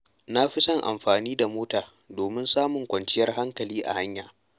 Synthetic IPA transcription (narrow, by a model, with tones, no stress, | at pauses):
na˦ɸɪ˦sɐ˦˨ŋʔa̰˨mɸaː˨niː˦da˨moː˦taː˨ | doː˨mɪ˦nsaː˦mʊ˨ŋkʷɐ˨nt͡ʃɪ˦jɐ˦rɦa˦ŋkɐ˨liː˦ʔa̰˨ha˦ɲjaː˨